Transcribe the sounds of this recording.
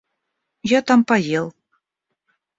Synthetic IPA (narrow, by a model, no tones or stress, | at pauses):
jɑt̪ɑmpɑjelˠ